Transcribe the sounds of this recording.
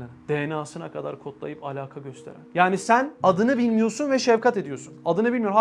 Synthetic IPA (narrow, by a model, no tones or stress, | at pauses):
d̪̥enaːsɯnakʰad̪a̰ɾkʰo̞t̪lˠa̰jɯpalʲaːkʰaɟøst̪ʰe̞ɾæ̰njaːnisænad̪ɯnɯbilʲmijo̞sunvɛʃɛvkʰat̪e̞d̪ijo̞ɾsunad̪ɯnɯbilʲmijɾm